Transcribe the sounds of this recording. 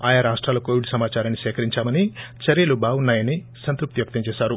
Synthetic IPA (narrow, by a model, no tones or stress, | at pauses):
aːjaɾaːʂʈɾaːlɐkoːʋiɽusɐmaːt͡ʃaːɾɐnːisɛːkʰɐɾiɲt͡ʃaːmɐnit͡ʃɐɾeːlubʱaːwunːaːjɐni | sɐnt̪ɾup̚t̪iʋɐk̚t̪ɐɲt͡ʃeːʃaːɾu